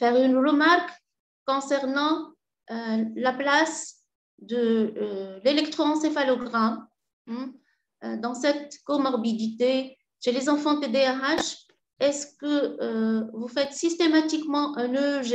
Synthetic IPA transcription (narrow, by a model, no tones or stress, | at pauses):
fɛʁynʁəmaʁkː | ɔ̃sɛʁnɑ̃ | ølaplas | d̪ə | lelɛkt̪χoɑ̃sefalɔɡʁa | d̪ɑ̃sɛt̪kɔmɔʁbid̪it̪e | ʃelezɑ̃fɑ̃t̪ed̪eɛʁaʃ | ɛskəøvufɛt̪sist̪emat̪ikmɑ̃ʔɛ̃nøʒ